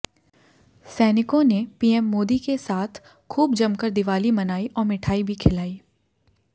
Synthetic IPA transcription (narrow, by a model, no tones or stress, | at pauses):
sɛːnɪkõnepiːɛmːoːd̪ikesaːt̪ʰ | kʰuːbd͡ʒɐmkəɾd̪ɪʋaːlimɐnaːiʔɔːɾmɪʈʰaːibʱikʰɪlaːiː